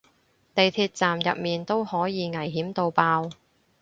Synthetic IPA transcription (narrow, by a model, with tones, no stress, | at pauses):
t̪e˨jt̪ʰiː˧t̚t͡saː˨mjɐ̰˨p̚miː˨nt̪o˥whɔː˨˥jiː˨˧ŋɐ˨˩jɦiː˨˥mt̪o˨˧wpaː˧w